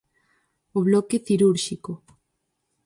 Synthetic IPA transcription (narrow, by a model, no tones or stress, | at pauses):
oβlɔkeθiɾuɾʃiko